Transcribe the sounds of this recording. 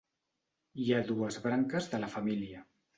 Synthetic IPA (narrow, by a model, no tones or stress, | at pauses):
iaðuəzβɾaŋkəzðələfəmiliə